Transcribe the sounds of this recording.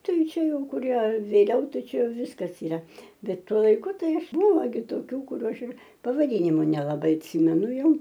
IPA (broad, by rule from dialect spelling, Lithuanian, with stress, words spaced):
ˈtɐɪ ˈt͡ʃʲɛ ˈjɛʊ kʊˈrʲiɛ ʋʲeːˈlʲɛʊ tɐˈt͡ʃʲɛʊ ˈʋʲɪskɐs ɪˈrɐ ˈbʲɛt ˈtuɔ lˠɐɪˈkʊ ˈtɐɪ ˈɐʃ ˈbʊʋoː ɡʲɪ toːˈkʲuː kʊˈrʲuː ˈɐʃ ɪr pɐʋɐˈdʲiːnʲɪmʊ nʲɛlˠɐˈbɐɪ ɐtʲˈsʲiːmʲɛnʊ ˈjɛʊ